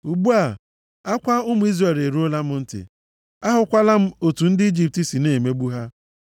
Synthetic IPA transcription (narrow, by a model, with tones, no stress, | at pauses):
u˨ɡ͡bu˦a˨ | a˦kʷa˦ʊ˦mʊ˨˦i˦zre˨le˨ɾu˦o˦la˦mʊ˦n̩˦tɪ̰˨ | a˦ɦʊ˨kʷa˦la˦m̩˦o˨tu˨n̩˦dɪ˦i˦d͡ʒi˦˨p̚ti˨˦si˨ne˨me˦ɡ͡bu˦ɦa˦